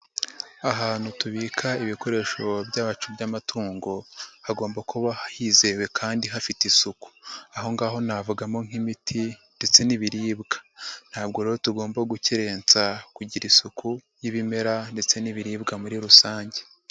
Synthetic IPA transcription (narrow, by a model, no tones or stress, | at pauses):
aɦaːn̥hutuβiːkʰaiβiko̞ɾe̞ːʃo̞bɟaβat͡ʃubɟamatʰuːŋɡo̞haɡo̞ːmbakuβahahiːze̞we̞kʰaːndiɦafitisuku̥aɦo̞ŋɡaːɦo̞navuɡamo̞ŋ̥imitʰinde̞t͡se̞niβiɾiːbɡḁn̥haːbɡo̞ɾeːɾo̞tuɡo̞ːmbaɡuciɾe̞ːnt͡sakuɟiɾisuku | jiβime̞ɾande̞t͡se̞niβiɾiːbɡamuɾiɾusaːɲɟe